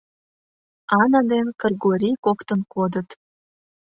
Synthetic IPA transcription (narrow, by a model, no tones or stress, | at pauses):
ɑnɑd̪enkərɣoɾʲikokt̪ənkod̪ət̪